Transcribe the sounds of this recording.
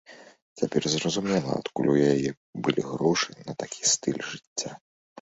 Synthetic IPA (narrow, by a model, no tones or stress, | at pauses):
t͡sʲapʲɛrzrɐzumʲɛlˠɐ̰a̰t̪kulʲujajɛ | bɨlʲiɣɾɔʂɨnɐt̪akʲʰi̥st̪ɨlʲʐɨt͡sʲːa